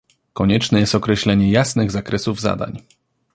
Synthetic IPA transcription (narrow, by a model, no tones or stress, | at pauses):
kɔɲɛt͡ʂnɛjɛst̪ɔkɾɛɕlɛɲɛjasnɘɣzakɾɛsuvza̰d̪a̰ɲ